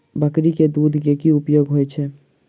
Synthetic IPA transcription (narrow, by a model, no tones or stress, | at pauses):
bakɾiked̪ud̪ʱkekiupjoɡɦojt͡ɕʰe